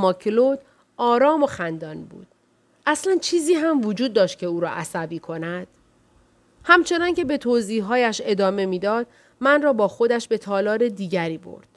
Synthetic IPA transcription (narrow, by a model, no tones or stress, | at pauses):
mɒːkʰlod̪ | ɒːɾɒːmo̞xænd̪ɒːnbṵːd̪̥ | ʔæslænt͡ʃʰiːziːɦæmvod͡ʒuːd̪̚ːɒːʃt̪̚cʰe̞uːɾɒ̰ːʔæsæbiːkʰo̞næd̪̥ | hæmt͡ʃʰe̞nɒnce̞be̞t̪ʰoːziːɦɒːjæʃe̞d̪ɒːme̞miːd̪ɒːd̪̥̚ | mænrɒːbɒːxo̞d̪æʃbe̞t̪ʰɒːlɒːɾe̞d̪iːɟæɾiːbo̰ɾd̪̥